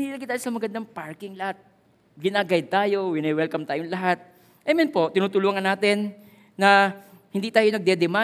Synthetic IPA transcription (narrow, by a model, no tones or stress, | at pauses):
nilɐɡɪjt̪aːjosɐmɐɡɐnd̪aŋpaɹkɪŋlɐhat̪̚ | ɡɪnaɡajd̪̚t̪aːjo̞wɪnɐjwɛlkɐmt̪aːjoŋlɐɦat̪̚ | ʔamɛnpo̞ʔt̪ɪnuːt̪ʊluːŋɐnːaːt̪ɛnː | ɐhɪnd̪iːt̪aːjonɐɡ̚d̪ɛd̪ɛma